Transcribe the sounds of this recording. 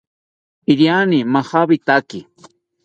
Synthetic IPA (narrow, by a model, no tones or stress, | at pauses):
iɾjanimahabit̪aki